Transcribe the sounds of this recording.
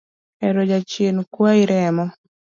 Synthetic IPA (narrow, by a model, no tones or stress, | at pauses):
ɛɾod͡ʒat͡ʃjenkwaiɾɛmɔ